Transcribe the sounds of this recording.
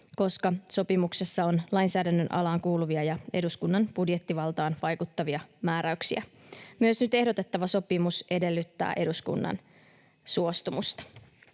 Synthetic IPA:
ko̞skɑso̞pimuksesːɑonlɑjnsæːdænːønʔɑ̰lɑːŋkuːluʋiɑjɑe̞duskunːɑnb̥udjet̪ːiʋɑlt̪ɑːnʋɑjkut̪ːɑʋiɑmæːɾæyksiæ̰ | myøsnyt̪e̞hdot̪e̞t̪ːɑʋɑso̞pimusʔe̞de̞lːyt̪ːæ̰ːʔe̞ɾuskṵnːɑ̰n | suo̞st̪umust̪ɑ̥

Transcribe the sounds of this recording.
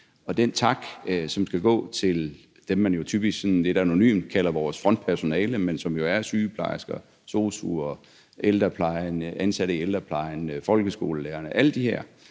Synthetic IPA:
ɒ̽d̥ent͡sʰɑ̈ɡ̥sɒ̽msɡ̥æɡ̥ɔ̰̽ːt͡sʰe̝l | d̥emːænjo̝t͡sʰyːb̥isɡ̥sɔ̽nne̝d̥æno̝ny̰ːmd̥kʰælɐʋɒːsfʁɒ̽n̰d̥̚pʰæɐso̝nɛːləmensɒ̽mjo̝æɐsyːpʰlɑ̈ɪsɡ̥ɐ | so̝ːsṵɐ | ʔeld̥ɐpʰlɑ̈ɪnʔænsæɾ̥əield̥ʁɐpʰlɑ̈ɪnfɒ̽lɡ̥əsɡ̥o̝̰ːləleːɐnəʔæld̥iheɐ̰

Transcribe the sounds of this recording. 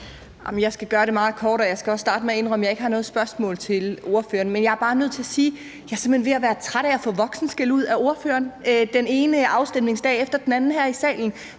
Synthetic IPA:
ɑmjɑ̈ɪsɡ̥æɡ̥ɶːɐɾe̝mɑ̈ːð̩ˠkʰɒːɾ̥ɒjɑ̈ɪsɡ̥æɒ̽ssːd̥ɑ̈ːd̥əmee̝nʁœməjɑ̈ɪe̝ɡ̥əhɑ̈nɔ̽ːð̩ˠsb̥ɶɐsmɔ̰̽ːlt͡sʰe̝lo̝ɐfø̰ːɐnmenjɑ̈æɐb̥ɑ̈ːnøð̞̰ˠt͡sʰe̝æsiː | jɑ̈se̝mhenʋe̝æʋæːɐt͡sʰʁaɾ̥ææfɔ̰̽ːʋɒ̽ɡ̥sn̩sɡ̥eluð̞̰ˠæo̝ɐføɐnød̥ene̝ːnəʔɑ̈ʊsd̥emle̝ŋsd̥ɛ̰ːefd̥ɐd̥en̩ænn̩hæɐ̰isɛ̰ːln̩

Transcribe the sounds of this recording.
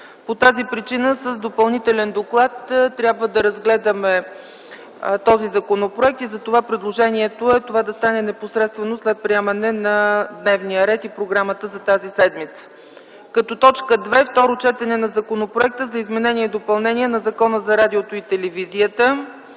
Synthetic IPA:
pot̪azipɾit͡ʃinəsəzd̪opɐlˠnit̪ɛlɛnd̪oklˠat̪t̪ːɾʲjabvəd̪ɐɾɐzɡlɛd̪əmɛ | t̪ɔzizɐkonopɾoɛk̚t̪izɐt̪ovapɾid̪lˠoʒɛniɛt̪oɛt̪ovad̪ɐst̪anɛnɛposɾɛt̪st̪vɛnoslɛt̪̚pɾiɛmɐnɛnɐd̪nɛvnijəɾɛt̪ipɾoɡɾamət̪əzɐt̪azisɛd̪mit̪sə̥ | kɐt̪ɔt̪ɔt͡ʃkəd̪vɛft̪ɔɾot͡ʃɛt̪ɛnɛnɐzɐkonopɾoɛk̚t̪əzɐizmɛnɛnʲiɛd̪opɐlˠnɛniɛnɐzɐkɔnəzɐɾad̪iot̪oit̪ɛlɛviziət̪ə

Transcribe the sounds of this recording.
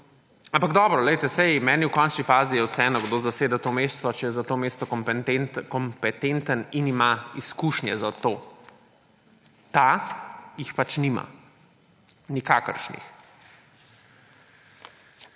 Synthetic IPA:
ampaɡd̪ɔːbɾɔlɛɪjt̪ɛsɛjmɛːniuwkɔnt͡ʃnifaːzijɛwsɛɛːnɔɡd̪oːzaseːd̪at̪omeːst̪ʋɔt͡ʃɛjɛzat̪oːmeːst̪ɔkɔmp̪kɔmpɛt̪ent̪əninimaiskuːʃnjɛzat̪oː | t̪a | jixpat͡ʃnima̰ | nikaːkə̰ɾʃnḭx

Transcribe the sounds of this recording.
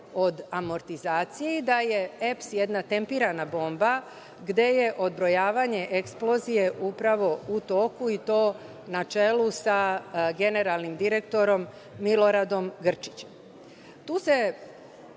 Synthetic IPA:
o̞d̪amo̞ɾt̪izaːt̪sijeid̪aje̞epsje̞d̪nat̪e̞mpiɾanabo̞ːmba | ɡd̪e̞je̞ʔo̞d̪bɾo̞jaːʋaɲe̞ʔeksplo̞zije̞ʔupɾaʋo̞ut̪o̞ːkuit̪o̞ː | nat͡ʃe̞lusaɡe̞ne̞ɾalˠnimd̪iɾekt̪o̞ɾo̞mː | ilo̞ɾad̪o̞mɡr̩t͡ʃi̥t͡ɕem | t̪uːse̞

